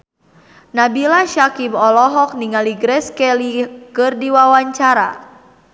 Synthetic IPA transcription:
nabilaʃakimɔlɔɦɔk̚niŋaliɡɾɛskɛlikɨrdiwawaɲt͡ʃaɾa̰

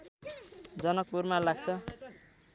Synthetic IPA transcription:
d͡zʌnʌk̚puɾmalaɡ̚t͡sʰʌ

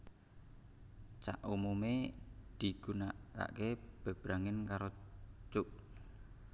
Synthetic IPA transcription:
t͡ʃa̰ʔumumed̪̥i̤ɡ̥ṳnaʔka̰ʔkeb̥e̤b̥ɾaŋɪnkaɾot͡ʃʊʔ

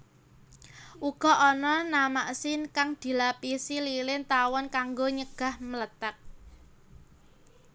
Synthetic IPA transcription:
ʔuɡ̥ɔ̤ɔnɔnamaʔsɪnkaŋd̪̥i̤lapisililɪnt̪awɔnkaŋɡoɲəɡ̥a̤hmələt̪ak̚

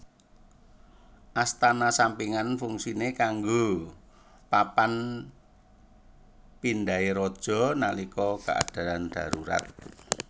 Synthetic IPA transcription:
ʔast̪anasampiŋanfuŋsinekaŋɡo | papan | pindaeɾɔd̥ʒ̥ɔ̤nalikɔka̰ʔa̰d̥a̤lanɖ̥ä̤ɾuɾa̰t̪̚

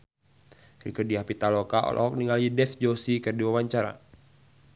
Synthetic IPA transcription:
kikədiahpit̪alɔkaʔɔ̰lʔɔ̰ɦɔk̚niŋalidɛθd͡ʒɔsikərdiwawaɲt͡ʃaɾa̰

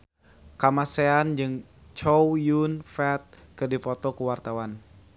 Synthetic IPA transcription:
kamaseand͡ʒɨŋ | t͡ʃɔwjunfɛt̪̚kɨrdipɔt̪ɔkuwart̪awan

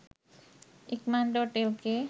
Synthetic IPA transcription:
ikmanɖoʈelke

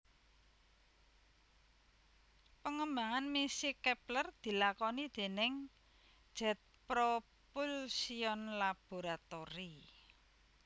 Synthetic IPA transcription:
pəŋəmbaŋanmisikɛplərd̪̥i̤lakɔnid̪̥e̤nɪŋ̥ | ʒ̥ɛ̤t̪̚pɾo | pulsiɔnlab̥o̤ɾat̪oɾi

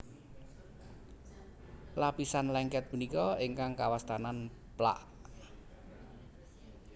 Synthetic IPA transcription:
lapisanlɛŋkɛt̪̚punikɔiŋkaŋkawast̪anan | pla̰ʔ

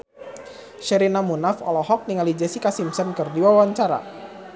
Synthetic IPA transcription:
ʃəɾinamunafɔ̰lɔhɔk̚niŋalid͡ʒɛsikasimsənkɨrdiwawaɲt͡ʃaɾa̰

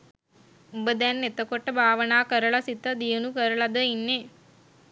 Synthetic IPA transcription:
ubəd̪ɛnːet̪əkoʈːəbʱaːʋənaːkəɾəɭasit̪əd̪ijənukəɾəɭɐd̪əinːe

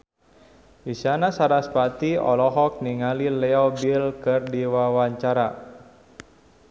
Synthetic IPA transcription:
isanasaɾaspat̪iɔ̰lɔɦɔk̚niŋalilɛɔbilkɨrdiwawaɲt͡ʃaɾa

